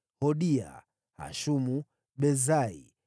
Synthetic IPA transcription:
hɔɗia̰ | ha̰ʃumu | ɓɛzaḭ

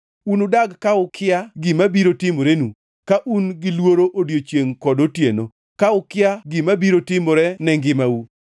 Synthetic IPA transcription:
unodaɡkaʊkʰɪaɡɪmabiɾotɪmoɾenu | kaʔunɡɪlwoɾoʔodjot͡ʃjeŋkɔdotjeno | kaʊkɪjaɡɪmabiɾotɪmoɾɛnɛŋɡɪmau

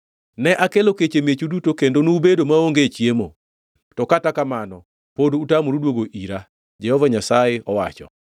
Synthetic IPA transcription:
nɛʔakeloket͡ʃemjet͡ʃudutokendonubedomaoŋɡet͡ʃjemo | tɔkatakamanɔ | podutamoɾudwoɡoʔiɾa | d͡ʒɛhɔvaɲasajɪɔwa̰t͡ʃɔ̰

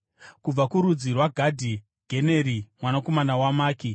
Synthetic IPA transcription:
kub͡vakuɾud͡zirwaɡʱadʱi | ɡʱeneːɾimwanako̞manawamaːki

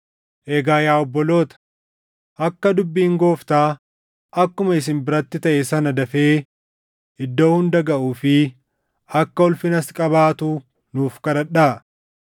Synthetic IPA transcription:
ʔeːɡaːjaːɔbːɔlo̞ːt̪ɐ̥ | ʔɐkːɐd̪ʊbːiːŋɡo̞ːft̪aː | ʔɐkːʊmɐɪs̬ɪnbɪɾɐt̪ːɪt̪ɐʔesɐnɐd̪ɐfeː | ɪd̪ːo̞ːhʊnd̪ɐɡɐʔuːfɪ | ɐkːɐɔlfɪnɐskʼɐβaːt̪uː | nuːfkɐɾɐᶑaː

